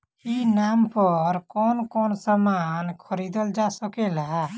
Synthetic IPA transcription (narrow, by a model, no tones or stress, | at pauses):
inaːmpəɾkɔːnkɔːnsamaːnkʰoɾid̪əld͡ʒaːsəkelaa